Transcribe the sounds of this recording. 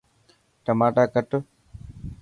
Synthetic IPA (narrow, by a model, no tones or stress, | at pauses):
ʈəmaːʈaːkəʈ